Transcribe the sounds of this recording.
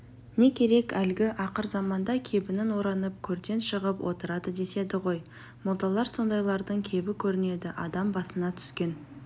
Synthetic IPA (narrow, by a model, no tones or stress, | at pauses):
ne̞kʲʰe̞ɾe̞kælɡʲɪʔɑqəɾzɑmɑnd̪ɑkʲʰe̞bɪnɪnwo̞ɾɑnəp̚kʲʰɵɾd̪e̞nʃəʁəpwʔo̞̰t̪əɾɑd̪əd̪e̞se̞d̪ɪʁo̞j | mʊlˠt̪ɑlˠɑɾso̞nd̪ɑjlˠɑɾd̪əɴkʲʰe̞bɪkʲʰɵɾɪne̞d̪ɪʔɑd̪ɑmbɑsənɑt̪ʰʏ̥skʲe̞n